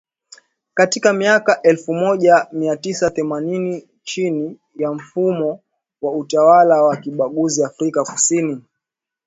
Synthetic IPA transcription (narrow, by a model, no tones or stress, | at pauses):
katikamiakaʔɛlfumɔʄamiatisaθɛmanini | t͡ʃini | jam̩fumɔ | wautawalawakiɓaɠuziafɾikaku̥sini